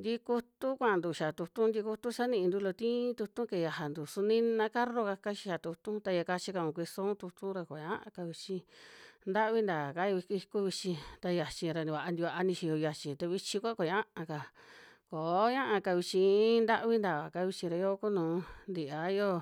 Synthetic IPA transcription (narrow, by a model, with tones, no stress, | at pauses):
nd̪i˧ku˧t̪u˦kʷã˦˨˧nd̪u˨ʃa˨t̪u˧t̪ũ˦nd̪i˧ku˧t̪u˦sa˦nĩ˧ʔnd̪u˧lo˧t̪ĩ˦t̪u˧t̪ũ˦ke˨ja˧ɦa˨nd̪u˨su˧nĩ˦nã˧ka˦ɾo˧ka˧ka˦˧t͡ʃi̥˧ʃa˨t̪u˧t̪ũ˦t̪a˧ja˧ka˧t͡ʃi˧ka˧˨ũ˨kʷi˧sũ˦t̪u˧t̪ũ˦ɾa˧ko˨ɲã˦ʔã̰˧ka˧βi˧t͡ʃĩ˧nd̪a˦ʔβi˦nd̪a˨ka˦jo˧βi˧ki˧ku˦βi˧t͡ʃĩ˧t̪a˧ja˧t͡ʃĩ˧ɾa˧nĩ˧βa˨a˧nd̪i˧βa˧ʔa˧nĩ˧ʃi˧jo˧ja˧t͡ʃĩ˧t̪a˧βi˧t͡ʃĩ˧kʷa˦ko˨ã˦ʔã˧ka˧ | ko˨˦ɲã˦ʔã˧ka˧βi˧t͡ʃĩ˧˦nd̪a˦ʔβi˦nd̪a˨βa˨ka˧βi˧t͡ʃĩ˧ɾa˧jo˦ku˦nũː˨˦nd̪i˨a˨˦˧jo˦